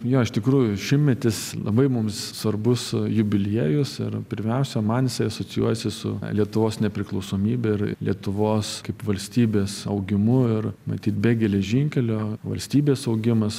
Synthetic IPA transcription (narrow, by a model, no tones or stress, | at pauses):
joːɪʃt̪ʲɪkɾuːjʊʃʲɪmmʲɛt̪ʲɪslˠɐ̰bɐɪmʊmssʋɐrbʊsjʊbʲɪlʲiːjʊsɪ̰ɾpʲɪɾʲmʲɛʊsʲɛmɐnjɪsɐɪɐsoːt͡sʲɪjuɔjɛsʲɪsʊ̰lʲiɛt̪ʊʋoːsnʲɛpʲɾʲɪklˠɒʊsoːmʲiːbʲɛɪɾ̰lʲiɛt̪ʊʋoːskɐɪpʋɐlʲsʲt̪ʲiːbʲeːsɐ̰ʊɡʲɪmʊɪrmɐ̰t̪ʲiːt̪̚bʲeːɡʲɛlʲɛʒʲɪŋʲkʲɛlʲoːʋɐ̰lʲsʲt̪ʲiːbʲeːsɐʊɡʲɪmɐs